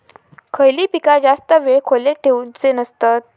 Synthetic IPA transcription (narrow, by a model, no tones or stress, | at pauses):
kʰəjliːpikad͡zast̪əʋeɭkʰolaʈʰeut͡senəst̪at̪̚